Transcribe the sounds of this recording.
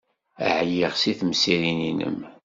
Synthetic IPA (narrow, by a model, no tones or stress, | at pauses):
ə̰ʕjiʁsiθmsiɾininə̰m